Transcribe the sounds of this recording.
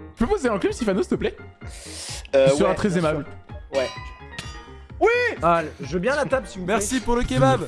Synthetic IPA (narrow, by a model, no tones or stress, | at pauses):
y̥pøpozeɛ̃klybsifanosit̪əplɛ | øiəʁɛ̃t̪χɛzemablwɛ | wialʒəbjɛ̃lat̪absivumɛʁssipuʁləkʲebab